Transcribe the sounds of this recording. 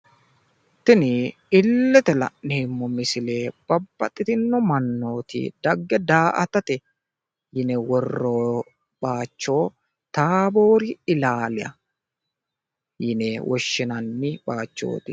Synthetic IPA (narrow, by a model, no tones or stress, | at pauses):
t̪ːɪnɪ | ɪlːɛt̪ɛlɐ̰ʔneːmːɔmɪsɪleːb̥ɐbːɐt̪ʼːɪt̪ɪnːɔmɐnːo̞ːt̪ɪ̰d̪̥ɐɡːɛd̪aːʔɐt̪ɐt̪ɛ | jɪnɛwɔrːoː | baːt͡ʃːo̞ː | t̪aːbo̞ːɾɪɪlaːlɪɐ̰ | jɪnɛwʔɔʃːɪnɐnːɪbaːt͡ʃːo̞̰ːt̪ɪ